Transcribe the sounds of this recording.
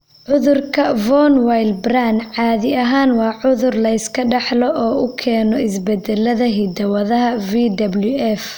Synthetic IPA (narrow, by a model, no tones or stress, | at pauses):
ʕʊðʊrkʰɐvɔnwajlbranʕɑːðɪɐɦaːnwɑːʕʊðʊrlɐɪskʰɐɖɑħlɔʔɔːʊkʰɛːnɔɪs̬bɛd̪ɛlːɐðɐɦid̪ɐwɐðɐɦɐviːd̪ɐblʊɛf